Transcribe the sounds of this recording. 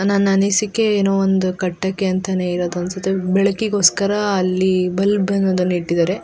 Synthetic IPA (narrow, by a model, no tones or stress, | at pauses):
naːnːɐnisikːeeːnoːʋond̪ukɐʈːɐkːeɐnt̪ɐneiɾoːd̪uɐnsɐt̪ebɛɭɐkːiɡoːskɐɾɐːlːibɐlbenɐd̪ɐnːiʈːid̪aːɾe